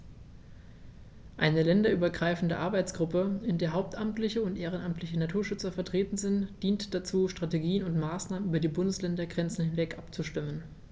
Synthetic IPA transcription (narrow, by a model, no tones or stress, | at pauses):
ʔaɪnəlɛndɐʔyːbɐɡʁaɪfn̩dəʔaɐbaɪt͡sɡ̥ʁʊpəɪndeːɐɦaʊp̚tʔamtlɪçəʊntʔeːʁ̞ənamtʰlɪçənatʰuːɐʃʏt͡sɐfɛɐtʁ̥eːtn̩zɪntd̥iːntd̥at͡suːʃtʁ̥ateɡiːənʊntmaːsnaːmənyːbɐdiːbʊndəslɛndɐɡʁɛnt͡sn̩hɪnvɛkʔapt͡suʃtɪmən